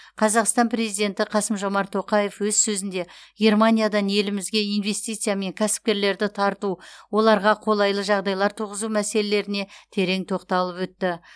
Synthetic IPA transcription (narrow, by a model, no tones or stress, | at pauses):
qʰɑzɑqst̪ɑnpʰrezijd̪e̞nt̪ɪqʰɑsəmʒo̞mɑɾt̪ʰo̞qɑje̞fwɵzsɵzɪnd̪e̞ɡʲe̞rmanʲijad̪ɑnje̞lɪmɪzɡʲe̞ijnve̞st̪ijt̪sɨjame̞ŋkʲʰæsɪ̥p̚kʲe̞ɾle̞ɾd̪ɪt̪ʰɑɾt̪uwo̞lˠɑɾʁɑqʰo̞lˠɑjlˠəʒɑʁd̪ɑjlˠɑɾt̪ʰuʁəzumæse̞lele̞ɾɪne̞t̪ʰe̞ɾe̞ŋt̪ʰo̞qt̪ɑlˠəpwɵt̪ːɪ